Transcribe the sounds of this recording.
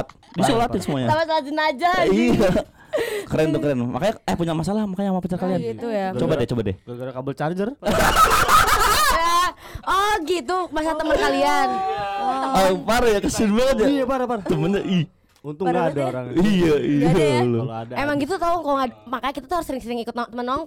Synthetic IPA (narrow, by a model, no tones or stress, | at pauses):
t̪̚ | disolat̪ɪnsəmuaɲaamasalad͡ʒinad͡ʒaija | kəɾɛnt̪ukəɾɛnma̰kaɲaajapuɲamas̬alahmakaɲamapət͡ʃarkalianit̪ujat͡ʃobadet͡ʃobadɛkabəlt͡ʃard͡ʒər | ja | ɔɡit̪umas̬aat̪əmənnkalian | ɔpaɾajakəsɪnbəlad͡ʒaijapaɾapaɾat̪əmənɲaʔi | unt̪ʊɡaːdaɾaijaialoldaemaŋɡit̪ut̪akalamakaɲakit̪at̪uhaɾʊsəɾɪŋsəɾɪŋikʊt̪nɔt̪ːəmənɔŋ